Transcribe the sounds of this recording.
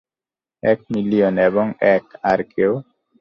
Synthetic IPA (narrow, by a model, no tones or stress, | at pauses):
ɛk̚milionɛbɔŋɛkaɾke